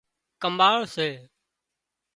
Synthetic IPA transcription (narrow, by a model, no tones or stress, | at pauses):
kəmaːɭseː